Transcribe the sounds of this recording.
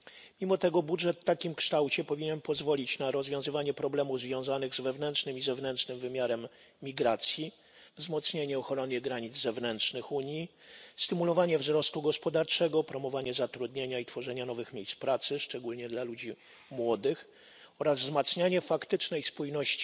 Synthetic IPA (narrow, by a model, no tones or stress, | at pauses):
mʲimɔt̪ɛɡɔbudʐɛt̪ːakʲimkʂt̪awt͡ɕɛpɔvʲiɲɛnpɔzvɔlʲit͡ɕnaɾɔzvʲjɔ̃w̃zɘvaɲɛpɾɔblɛmuvzvʲjɔ̃w̃zanɘɣzvɛvnɛntʂnɘmizɛvnɛntʂnɘmvɘmʲjaɾɛmːʲ | iɡɾat̪sʲji | vzmɔt̪sɲeɲɛɔxɔɾɔnʲjɛɡɾaɲid̪zzɛvnɛntʂnɘxuɲji | st̪ɘmulɔvaɲɛvzɾɔst̪uɡɔspɔd̪aɾt͡ʂɛɡɔpɾɔmɔvaɲɛzat̪ɾud̪ɲeɲait̪fɔʐɛɲanɔvɘxmʲejspɾat̪sɘʂt͡ʂɛɡulɲɛd̪lalud͡ʑi | mwɔd̪ɘx | ɔɾazvzmat̪sɲaɲɛfakt̪ɘt͡ʂnɛjspujnɔɕt͡ɕi̥